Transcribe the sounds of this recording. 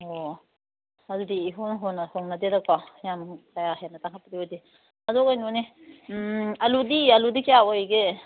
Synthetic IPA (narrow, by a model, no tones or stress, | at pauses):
o | ɐdudiːɦonɦonahoŋnadeɾak̚pajamkajaɦenɐtaŋkʰat̚paɾiodi | adɔkajnone | ɐludialudikijaojɡe